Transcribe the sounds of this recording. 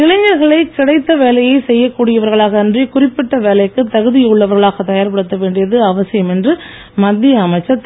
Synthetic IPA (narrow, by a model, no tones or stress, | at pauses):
ɪlɐɲɐɾɣɐɭɐɪkɪɽɐɪt̪ːɐʋeːlɐjɐɪsɛjːɐkːuːɽɪjɐʋɐɾɣɐɭaːɣɐɪndrikʊrɪpːɪʈːɐʋeːlɐɪkːɯt̪ːɐɣɯðɪjɯɭːɐʋɐɾɣɐɭaːɣɐt̪ːɐjaːɾpɐɽɯt̪ːɐʋeːɳɖɪjɐðɯɐʋɐsɪjɐmɛndrɯ | mɐd̪ːɪjɐːmɐɪt͡ʃːɐt̪ː